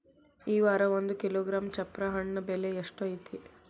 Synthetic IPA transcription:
iːʋaːɾɐʋond̪ukiloːɡɾaːmt͡ʃɐpːɾɐɦɐɳːɐbeleeʂʈoɐjit̪i

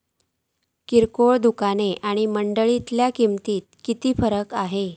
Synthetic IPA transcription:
kiɾkoɭd̪ukaneʔaɽ̃iməɳɖəɭit̪ljakimt̪iːt̪̚kit̪iːfəɾəkaɦe

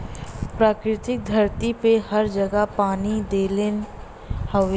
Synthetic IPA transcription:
pɾaːkɾɪt̪ɪk̚d̪ʱɐɾt̪ipehɐɾd͡ʒɐɡapaːnid̪eːlen | hɐʋ

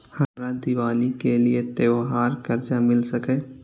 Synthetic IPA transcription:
hɐmɾad̪ɪʋaːlikeliet̪eːoɦaːɾkɐɾt͡ʃamɪlsɐkɛeː

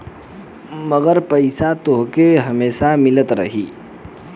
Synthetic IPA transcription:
məɡəɾpəɪsat̪oɦkeɦəmeːsamilət̪ɾə̰ɦi

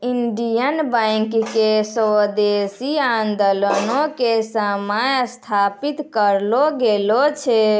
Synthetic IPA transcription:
iɳɖijənbajŋkkesəd̪esiand̪olənokesəmajst̪ʰapit̪kəɾloɡelot͡ʃʰɛ

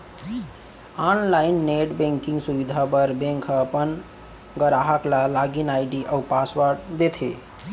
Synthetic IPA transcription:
anlaɪnːeʈbẽŋkĩŋɡsuʋid̪ʱabəɾbẽŋkʰəpən | ɡəɾaɦaklalaɡinajɖiʔəwpasʋəɾɖd̪et̪ʰe

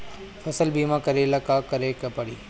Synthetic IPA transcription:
fɐsəlbiːmãkɐɾeːlɐkaːkɐɾeːkɐpɐɽiː

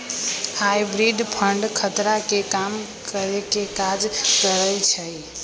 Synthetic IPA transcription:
hajbɾiɖ̪pʰəɳɖkʰət̪ɾakekam | kəɾekekad͡ʒkəɾəjt͡ʃʰəj

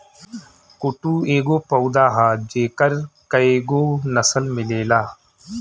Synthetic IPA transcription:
kʊʈuːeːɡoːpəwd̪aːɦaːd͡ʒeːkəɾkəeːɡoːnəsəlmɪleːlaː

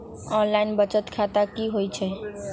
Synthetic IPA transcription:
ɔnlainbət͡ʃət̪kʰat̪akiɦojt͡ʃʰɛ

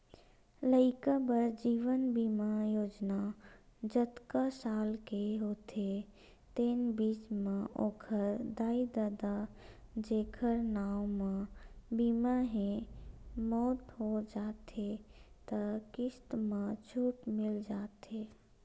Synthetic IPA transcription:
ləɪkabəɾd͡ʒiːʋənbiːmajoːd͡ʒnad͡ʒət̪kasaːlkeɦoːt̪ʰe | t̪eːnbiːt͡ʃmãʔoːkʰəɾd̪aːid̪ad̪ad͡ʒeːkʰəɾnaːwmãbiːmaɦẽ | mɔːt̪ɦod͡ʒaːt̪ʰet̪əkɪst̪mãt͡ʃʰuːʈmɪld͡ʒaːt̪eː

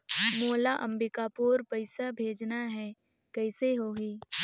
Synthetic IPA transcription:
moːlaʔɐ̃mbɪkaːpoːɾpɐɪsabʱeːd͡ʒnaɦɛː | kɛːɪseɦoːɦiː

